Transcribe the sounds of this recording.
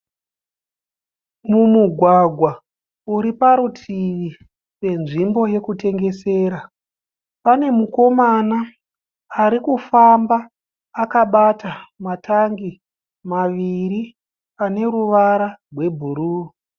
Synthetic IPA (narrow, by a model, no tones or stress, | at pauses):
mumuɡʱwaɡʱwa | uɾipaɾutʰiʋi | pe̞nʐimbo̞je̞kute̞ŋɡe̞se̞ːɾa | pane̞muko̞manaː | ɾikufambaː | kaɓatamataŋɡi | maʋiɾi | pane̞ruʋaɾarwe̞bʱuɾuːu